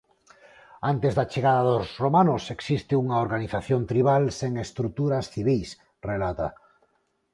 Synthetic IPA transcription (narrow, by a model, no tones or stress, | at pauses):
ant̪ezðat͡ʃeɣaðaðozromanʊseksist̪ɪuŋaoɾɣaniθaθjont̪ɾiβalseŋest̪ɾut̪uɾasθiβijs | relat̪a̰